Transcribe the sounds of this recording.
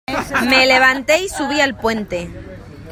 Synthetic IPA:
me̞leβant̪e̞isuβialpwe̞nt̪e̞

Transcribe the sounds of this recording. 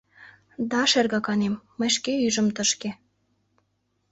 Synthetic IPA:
d̪ɑʃerɣɑkɑnemːəjʃ̬keyʒə̆mt̪əʃke

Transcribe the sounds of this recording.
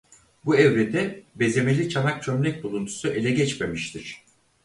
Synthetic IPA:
buevɾed̪ɛbe̞ze̞me̞lʲit͡ʃʰanak̚t͡ʃʰø̞mlʲɛc̚ʲbulˠunt̪ʰu̥suʔe̞lʲɛɟɛt͡ʃme̞miʃt̪ʰiɾ̝̥

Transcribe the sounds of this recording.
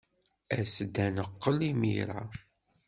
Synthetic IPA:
æsd̪ænəqːəlimḭɾa

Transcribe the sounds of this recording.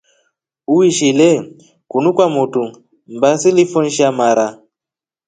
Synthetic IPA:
uwiʃilɛ | kunukwamutu | m̩basilifɔn̩ʃamaɾa

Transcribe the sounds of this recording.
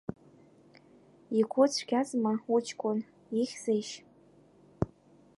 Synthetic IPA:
ikʷʰʊt͡sʷʰɡʲazmaut͡ʃʰkʷʼʊn | iχʲz̥ejʃ

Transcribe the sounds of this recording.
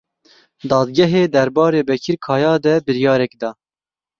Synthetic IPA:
d̪ɑːd̪̚ɡʲɛɦeːd̪ɛɾbɑːɾeːbɛkʰiɾkʰɑːjɑːd̪ɛbɨɾjɑːɾɛkd̪ɑː

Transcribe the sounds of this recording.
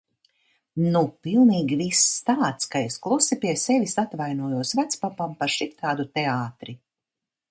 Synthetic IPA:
nupilˠniːɡʲivist̪aːt̪skaesklˠusipʲiɛsɛvʲisat̪vajnuɔjuɔsvæt̪spapampaɾʃik̚t̪aːd̪ut̪ɛaːt̪ɾi

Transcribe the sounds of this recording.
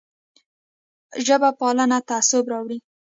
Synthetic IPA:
ʒəbapɑlənat̪aːsʊbɾɑwɽi

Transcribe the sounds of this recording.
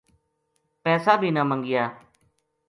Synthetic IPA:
pɛːsaːbʱiːnãːməŋɡɪjaː

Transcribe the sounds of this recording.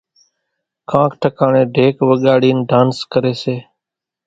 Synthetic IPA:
kãːkʰʈʰəkaːɳẽːɖʱeːkʋəɠaːɽiːnɖaːnskəɾeːseː

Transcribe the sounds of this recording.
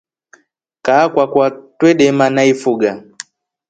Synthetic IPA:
kaːkwakwatwɛɗɛmanaifuɡa

